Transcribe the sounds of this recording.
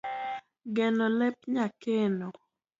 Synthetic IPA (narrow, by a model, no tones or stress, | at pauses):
ɡɛnolɛp̚ɲakeno